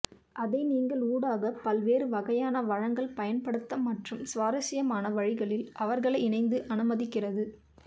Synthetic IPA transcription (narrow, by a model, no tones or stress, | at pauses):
ʔɐðɐɪniːŋɡɐɭuːɽaːɣɐpɐlʋeːɾɯʋɐɣɐjaːnɐʋɐɻɐŋɡɐɭpɐjɐnpɐɽɯt̪ːɐmːɐʈrɯmsʋaːɾɐsɪjɐmaːnɐʋɐɻɪɣɐɭɪlʔɐʋɐɾɣɐɭɐɪɪnɐɪnd̪ɯʔɐnɯmɐðɪkːɪrɐðɯ